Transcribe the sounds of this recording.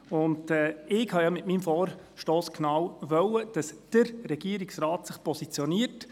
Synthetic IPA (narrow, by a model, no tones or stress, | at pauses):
ʊndɛːɪkhɑjɑmɪtmiːmfɔːɾ | ʃtoːsknawʋœwəd̥ɑsd̥əɾɾɛɡ̥iəɾiksɾɑːtsɪχpʰɔsit͡sjɔniːəɾt